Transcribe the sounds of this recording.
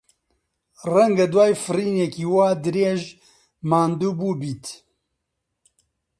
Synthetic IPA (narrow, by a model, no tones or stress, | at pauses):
rɛŋɡad̪waːjfɨriːnɛkiːwaːd̪ɨɾeːʒ | maːnd̪uːbuːbiːt̪